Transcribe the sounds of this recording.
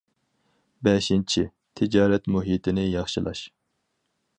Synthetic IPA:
bɛʃint͡ʃʰi | t̪ʰɪd͡ʒɑːɾɛt̪muɦit̪ʰɪnɪjɑχʃilˠɑ̰ʃ

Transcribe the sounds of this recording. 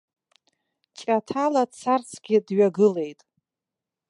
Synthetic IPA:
t͡ʃʼatʰalat͡sʰart͡sʰɡʲɪdɥaɡɨle̞jtʼ

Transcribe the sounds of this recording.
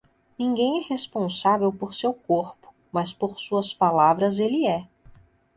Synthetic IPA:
nĩɡẽj̃ɛhespõsavewpoɾsewkoɾpʊ̥ | mɐspoɾsuɐspalavɾɐzelɪɛ

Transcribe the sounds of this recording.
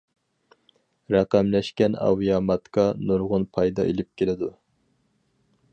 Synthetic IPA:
ɾɛqæmlɛʃkʲɛnɑ̰wijɑːmɑt̪kʰɑnuɾʁʊnpʰɑjd̪ɑ̰ḛlɪp̚kʲʰelɪd̪u

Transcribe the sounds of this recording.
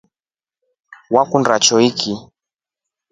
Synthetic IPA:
wakundɾat͡ʃɔiki

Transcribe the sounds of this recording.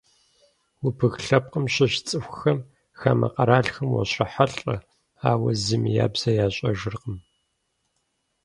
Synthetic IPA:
wʊpʰɨɣɬɐp̚qəmɕɪɕt͡sʼɨxʷxɐm | xaːmʔɐ̰qɐɾaːɬxɐmwɔ̰ɕrɐħaɬʼɐ | aːwɐzɨmija̰ːbz̥ɐjaːɕʼɐʒɨrqəm

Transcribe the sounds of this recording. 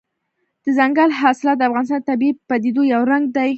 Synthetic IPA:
d̪̥əzaŋɡalɦɑsɪlɑt̪̚d̪əafɣɑnɪs̬t̪ɑnət̪abipːad̪ed̪ojawɾaŋɡ̚d̪aj

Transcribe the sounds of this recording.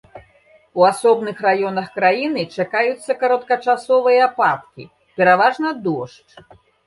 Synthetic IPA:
uasɔbnɨxrajɔnɐxkɾajin̪ɨt͡ʂakajut̪sːɐkɐɾɐt̪kɐt͡ʂasɔvɨjɐːpat̪kʲḭ | pʲɛɾavaʐnɐd̪ɔʂt͡ʂ

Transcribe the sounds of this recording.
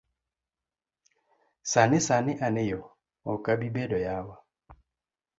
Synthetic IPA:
sanɪsanɪʔanɪjɔ | ɔŋkabibɛdɔjawa

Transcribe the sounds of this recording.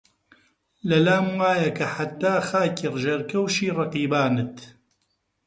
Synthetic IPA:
lɐlaːmwaːjɐkʰɐħat̪ːaːxaːcɨrʒɐɾkɐwʃiːrˤɑqiːbaːnɨt̪

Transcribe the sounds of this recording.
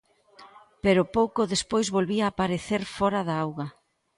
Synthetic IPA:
peɾʊpowkoðespojzβolβiaːpaɾeθeɾfɔɾaðaawɣɐ

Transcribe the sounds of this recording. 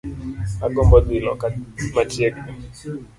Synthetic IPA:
aɡɔmbɔd̪ɪlɔ̰kamatjek̚

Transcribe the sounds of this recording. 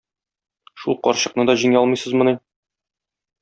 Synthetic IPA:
ʃulˠqɒ̰ɾɕɤ̆q̚nɤd̪ɒʑiŋæɒlˠmɤ̆jsɤ̆zmɤ̆nɤ

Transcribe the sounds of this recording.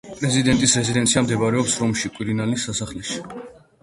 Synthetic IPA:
pʼɾɛzid̪ɛnt̪ʼisɾɛzid̪ɛnt̪sʰiamd̪ɛbaɾɛɔpsɾɔmʃikʼwiɾinalisːasaχlɛʃi̥

